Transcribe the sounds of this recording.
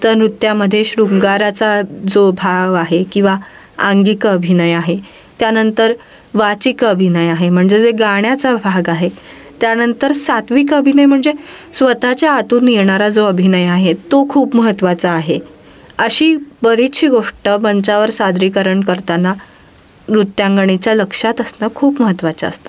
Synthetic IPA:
t̪əɾnɾut̪ːjaməd̪ʱːjeɕɾuŋɡaɾat͡sad͡zobʱaɡaɦekĩw̃ʋa | aŋɡikəbʱinəjaɦe | t̪janənt̪əɾ | ʋat͡ɕikəbʱinəjaɦem̤əɳd͡zed͡zeɡaɽjat͡sabʱaɡaɦe | t̪janənt̪əɾsat̪ʋikəbʱinəjm̤əɳd͡zesʋət̪at͡ɕjaːt̪uːnːiɾɳaɾad͡zoəbʱinəjaɦet̪okʰuːpməɦət̪ʋat͡saːɦe | əɕiːbəɾit̪ɕʰiːɡoʂʈəbəɲt͡ɕaʋəɾsad̪ɾikəɾəɳkəɾt̪ana | ɾut̪ːjaŋɡəɳ̃it͡ɕjaləkʂat̪əsnəkʰuːpməɦət̪ʋat͡ɕa̰ə̰st̪ḁ

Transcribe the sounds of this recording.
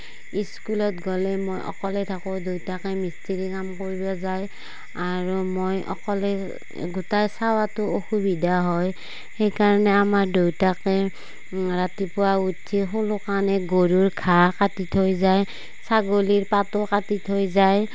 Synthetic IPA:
iskulɔtɡɔlɛmojʔɔ̰kɔlɛtʰakõdojtakɛmistiɹikamkoɹibɔzaj | aɹumojʔɔ̰kɔlɛ | ɡutajsawatʊoxubidaɦɔj | xejkaɹɔnɛamaɹdojtakɛ | ɹatipʊwautʰːiɦolʊkanɛɡoɹuɹkʰakatitʰojzaj | saɡoliɹpatʊkatitʰojzaj

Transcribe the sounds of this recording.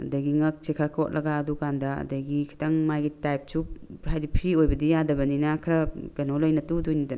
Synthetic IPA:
ɐ̰dajɡiŋɐk̚sekʰaɾkʰɔt̚lɐɡaːdukandaɐ̰dajɡikʰi̥taŋmajɡitajp̚suhajdipʰiojbɐdijadɐbɐninakʰɾɐkɐnolojnɐtudujnidan

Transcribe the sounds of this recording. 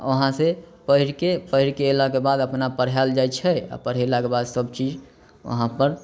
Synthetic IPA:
ə̰ɦãsepəɦiɾkepəɦiɾkeːlakebad̪əpnapəɽ̤ɦald͡ʒajt͡ʃʰɛa̰pəɽ̤ɦelakebad̪səbt͡ʃid͡ʒ | ə̰ɦãpəɾ

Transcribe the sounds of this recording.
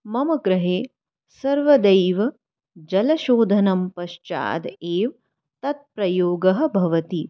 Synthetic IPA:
mɐmɐɡɾɐɦeː | sɐɾʋɐd̪ɐjʋɐ | d͡ʒɐlɐʃoːd̪ʱɐnɐmpɐʃt͡ʃa̰ːd̪eːʋ | t̪ɐt̪̚pɾɐjoːɡɐɦɐ̆bʱɐʋɐt̪i

